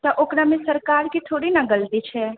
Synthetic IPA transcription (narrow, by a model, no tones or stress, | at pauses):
t̪ɐʔokɾamẽsəɾkaːɾkit̪ʰoːɽinaɡəlt̪it͡ʃʰɛ